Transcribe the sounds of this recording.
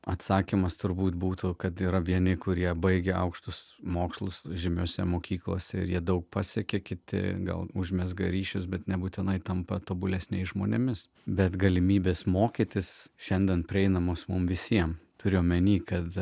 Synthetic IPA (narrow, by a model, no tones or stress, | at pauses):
ɐt̪sɑːkʲimɐst̪ʊɾbuːt̪buːt̪ʊkɐt̪iːɾɐʋʲiɛnʲɪkʊɾʲiɛbɐɪɡʲɛɐ̰ʊkʃt̪ʊs | moːkslˠʊsʒʲɪmʲuːsʲɛ̰moːkʲiːklˠo̰ːsʲɛɪ̰ɾjiɛd̪ɐʊk̚pɑːsʲɛkʲekʲɪt̪ʲɪ̰ɡɐ̰lˠʊʒʲmʲɛsɡɐ̰ɾʲiːʃʲʊsbʲɛt̪nʲɛbuːt̪ʲɪnɐɪt̪ɐmpɐt̪oːbʊlʲɛsʲnʲɛɪsʒmoːnʲɛmʲɪs | bʲɛt̪ɡɐlʲɪmʲiːbʲeːsmoːkʲit̪ʲɪsʃʲɛnʲd̪ʲɛnpʲɾʲɪɛɪnɐmoːsmʊmʋʲɪsʲiɛmt̪ʊɾʲɪjoːmʲɛnʲiːkɐt̪